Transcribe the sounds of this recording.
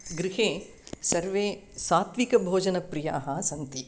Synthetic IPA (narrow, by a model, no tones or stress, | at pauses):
ɡɾɪɦeː | sɐɾʋeːsaːt̪ʋikɐbʱoːd͡ʒɐnɐpɾɪja̰ːɦɐsɐnt̪i